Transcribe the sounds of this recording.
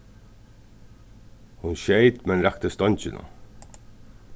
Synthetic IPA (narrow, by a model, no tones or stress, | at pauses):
hʊnɕeɪt̪mɛnɾɛk̚t̪əst̪ɔɲt͡ɕɪnə̰